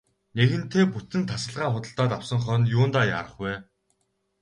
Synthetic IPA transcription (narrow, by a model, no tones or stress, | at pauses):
neɣɘ̆nt̪ʰeːput̪ɘ̆nt̪ʰasə̆ɮʁaːχʊt̪ə̆ɬt̪ɔːt̪awsə̆ŋχœːnjʊːnt̪aːja̰ɾə̆χwæː